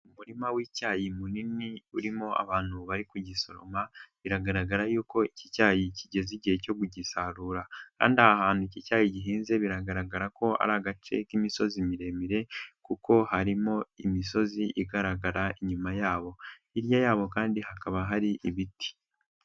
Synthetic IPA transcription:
umuɾimawiːcaːjimuniniuɾimo̞ʔa̰βaːn̥huβaɾikuɟiso̞ɾo̞̰maβiɾaɡaɾaɡaɾajuːko̞icicaːjiciɟe̞ziɟihe̞co̞ɡuɟisaɾuːɾaka̰ːndiahaɦaːn̥huicicaːjiɟiɦiːnze̞βiɾaɡaɾaɡaɾako̞a̰ɾaɡat͡ʃe̞̰kimiso̞zimiɾe̞miɾe̞kuko̞haɾimo̞imiso̞ziʔiɡaɾaɡaɾaiɲumajaːβo̞ | iɾjajaːβo̞kaːndiɦakaβaɦaɾiʔiβiti̥

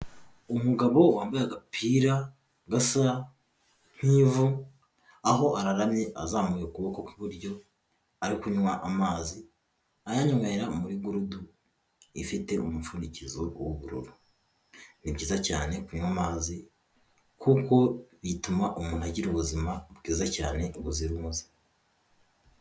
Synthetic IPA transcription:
omuɡaβo̞waːmbajaɡapʰiːɾa | ɡasa | n̥hiːvu | aho̞ʔaɾaɾamɲeʔazaːmujokuβoko̞kiβuɾɟo̞ | aɾikuɲwaʔamaːzi | ajaɲoŋaiɾamuɾiɡuɾudu | ifite̞omufunicizowoβuɾṵɾu | nibɟiːzaca̰ːne̞kuɲwamaːzi | kuko̞βitumaʔumuːn̥haɟiɾuβuzimabɡiːzaca̰ːne̞ɡuziɾuzi̥

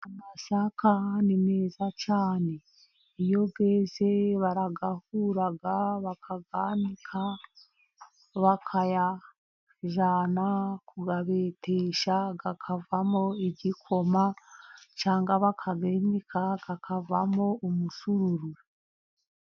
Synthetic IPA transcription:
amasakanine̞ːzat͡ʃaːne̞ | ijo̞ɡeːse̞βaɾaɡahuɾaɡaβakʰaɡanikʰa | βakʰaja | ʒanakuɡaβeteʃaɡakʰavamo̞iɟikʰo̞ma | t͡ʃaːŋɡaβakʰaɡeɲikʰaɡ̥akʰavamo̞ʔːmusuɾuɾu

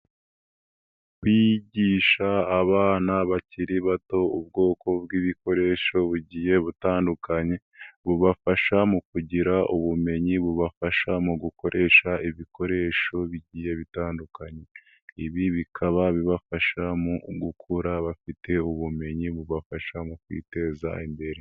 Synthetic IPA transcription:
βiɟiːʃaːβaːnaβaciɾiβato̞ub̚ɡo̞ːko̞b̚ɡiːβiko̞ɾe̞ʃo̞βuɟiːje̞βutaːndukaɲe̞ | βuβafaʃamukuɟiɾaʔuβume̞ɲiβuβafaʃamuɡuko̞ɾʔe̞ːʃaiβiko̞ɾe̞ʃo̞βiɟiːje̞βitaːndukaɲe̞ | iβiβikʰaβaβiβafaʃamuɡukʰuɾaβafite̞uβume̞ɲiβuβafaʃamukwḭːte̞ːza̰imbe̞ɾe

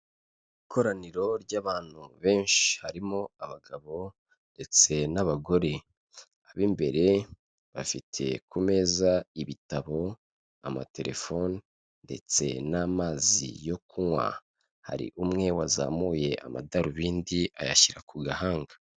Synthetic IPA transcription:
ikʰo̞ɾaniɾo̞ɾɟaːβaːn̥huβe̞ːnʃi̥haɾimoaβaɡaβo̞ | nde̞t͡se̞naβaɡo̞ɾe̞ | aβiːmbe̞ɾe̞ | βafitʰe̞̰kume̞ːzaiβitaβo̞ | ama̰te̞ɾʔe̞̰fo̞ni | nde̞̰t͡se̞namaːzḭjo̞kumwa̰ | ha̰ɾḭʔumŋe̞waza̰ːmuːje̞ʔa̰ma̰daɾuβiːndia̰ja̰çiɾakuɡahaːŋɡḁ

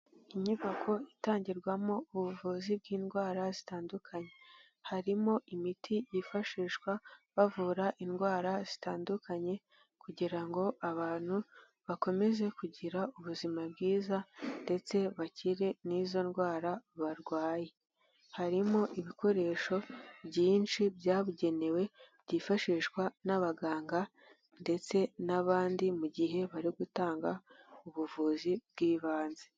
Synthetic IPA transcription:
iɲiβakʰo̞itaːɲɟiɾɡwamo̞uβuvuːzib̚ɡiːnɡwaːɾazitaːndukʰaɲe̞ | haɾimo̞ʔimitʰijifaʃiːʃwaβavuɾaʔinɡwaːɾazitaːndukaɲe̞ | kuɟiɾaŋɡo̞aβaːn̥hu | βako̞me̞ze̞kuɟiɾauβuzimab̚ɡiːzande̞t͡se̞βaciɾe̞nizo̞nɡwaːɾaβaɾɡwaːje | haɾimo̞ʔiβiko̞ɾe̞ːʃo̞bɟiːnt͡ʃibjaːβuɟe̞ne̞we̞bɟiːfaʃiʃɡwanaβaɡaːŋɡa | nde̞t͡se̞naβaːndimuɟiɦe̞βaɾiɡutaːŋɡauβuvuːzibɡiːβaːnze

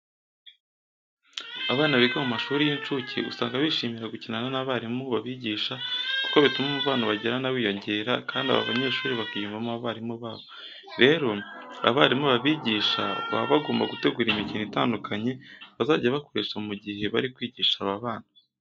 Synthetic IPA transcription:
aβaːnaβiɡomumaʃuːɾijint͡ʃucʰḭṵsaːŋɡaβiːʃiːmiɾaɡucinananaβaːɾimuβaβiːɟiːʃaku̥koβitumomuβaːnaβaɟeɾanawiːjo̞ɲɟe̞ːɾakʰaːndia̰βa̰βa̰ɲe̞ːʃuːɾiβakijumbamuaβaːɾimuβaːβo | ɾe̞ːɾo̞a̰βaːɾimuβaβiːɟiːʃa̰βa̰βaɡoːmbaɡute̞ɡuːɾimiciːnita̰ːndukʰaɲe̞βazaːɟaβako̞ɾeːʃomuɟihe̞βa̰ɾikwiːɟiːʃaβaβaːna

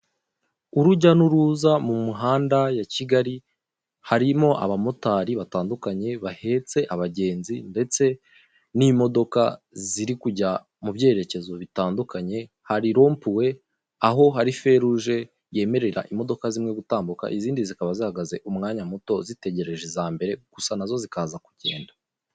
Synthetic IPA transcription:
uɾuɟanuɾuːzamumuɦaːndajaciɡaɾi | haɾimo̞ʔa̰βamo̞taːɾiβataːndukaɲe̞βahe̞t͡se̞ʔaβaɟe̞ːnzinde̞t͡se̞ | nimo̞do̞ka | ziɾikuɟa | mubɟe̞ːɾe̞ce̞zo̞βitaːndukaɲe̞ | haɾiɾo̞ːmpuwe̞ | aɦo̞ɦaɾife̞ɾuʒe̞ | je̞ːme̞ɾe̞ɾa̰ʔimo̞do̞kazimŋeɡutaːmbuka̰ʔiziːndizikaβazihaɡaze̞ʔumŋaːɲamuto̞zite̞ɟe̞ɾe̞ʒe̞zaːmbe̞ɾe̞ɡ̥usanazo̞zikaːzaku̥ɟe̞ːnda

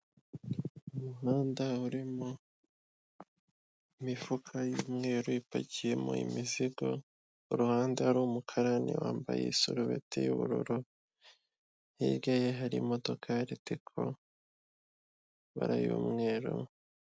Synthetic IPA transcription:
umuɦaːndauɾimo | imifukʰajuːmŋe̞ːɾuipa̰ɟije̞mo̰ḭmiziɡo̞̰ | uɾuhaːndeaɾuːmukʰaɾanḛwaːmba̰jḛisuɾuβe̞̰tʰḛjṵβṵɾṵɾu | hiɾɡajeɦaɾimo̞do̞kʰaɾitikʰo̰ | βa̰ɾa̰jṵːmŋe̞ːɾo̰

